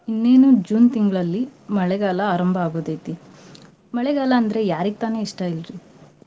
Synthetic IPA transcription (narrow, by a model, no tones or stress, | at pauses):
inːe̞ːnud͡ʒuːnt̪iŋɡɭɐlːimɐɭɛɡaːlɐaːɾɐmbʱɐaːɡoːd̪ɐjt̪i | mɐɭɛɡaːlɐːnd̪ɾe̞jaːɾiɡ̚t̪aːne̞ːiʂʈɐilɾi